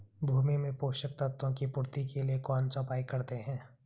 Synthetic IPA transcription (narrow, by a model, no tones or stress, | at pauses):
bʱuːmimẽpoːʃək̚t̪ət̪ːõkipʊɾt̪ikeliekɔːnt͡ʃɔ̃ːpaːikɐɾt̪eɦɛ̃ː